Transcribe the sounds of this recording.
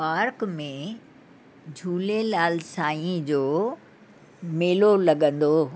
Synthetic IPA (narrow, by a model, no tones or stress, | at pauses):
paːɾkmẽ | d͡ʑʱuːlelaːlsaːĩd͡ʑoː | meːlolɐɠə̃nd̪oː